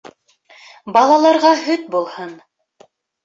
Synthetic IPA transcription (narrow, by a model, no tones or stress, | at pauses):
bɑlˠɑlˠɑɾʁɑɦɵt̪bulˠhɤn